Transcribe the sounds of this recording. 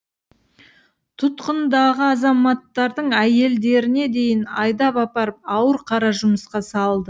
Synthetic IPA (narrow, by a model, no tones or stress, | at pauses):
t̪ʰʊt̪qənd̪ɑʁəɑzɑmɑt̪ːɑɾd̪əɴæje̞ld̪e̞ɾɪne̞d̪e̞jɪnɑjd̪ɑpɑpɑɾəp̚ɑwəɾqʰɑɾɑʒʊməsqɑsɑlˠd̪ə